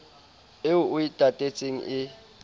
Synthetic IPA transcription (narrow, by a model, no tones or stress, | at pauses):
ɪʊʔʊitʼatʼet͡sʼeŋ̩ʔɪ